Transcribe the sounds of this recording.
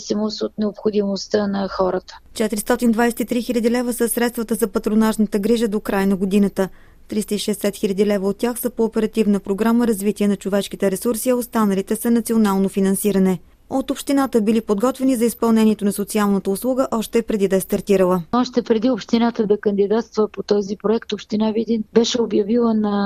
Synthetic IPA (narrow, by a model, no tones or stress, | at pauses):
simosot̪nɛopxod̪imost̪ənɐxɔɾət̪ə̥t͡ʃɛt̪ɾist̪ɔt̪ind̪vajsɛ̥t̪it̪ɾixilʲəd̪ilɛvəsəsɾɛt̪st̪vət̪əzɐpɐt̪ɾonaʃnət̪əɡɾiʒəd̪okɾajnɐɡod̪inət̪ə | t̪ɾist̪əiʃɛːsɛt̪xilʲəd̪ilɛvəot̪̚ːʲjaxsəpoːpɛɾɐt̪ivnəpɾoɡɾaməɾɐzvit̪iɛnɐt͡ʃovɛʃk̟it̪ɛɾɛsuɾsiɐost̪anɐlit̪ɛsɐnɐt̪sionalˠnofinɐnsiɾɐnɛ | ot̪opʃt̪inat̪əbilipod̪ɡɔt̪vɛnizɐispɐlˠnɛniɛt̪onɐsot̪sialˠnət̪əʊslˠuɡəʔɔʃt̪ɛpɾɛd̪id̪ɐɛst̪ɐɾt̪iɾəlˠəɔʃt̪ɛpɾɛd̪iopʃt̪inat̪əd̪ɐkənd̪id̪at̪st̪vɐpot̪ɔzipɾoɛkt̪opʃt̪inavid̪inbɛʃɛobjɐvilˠənɐ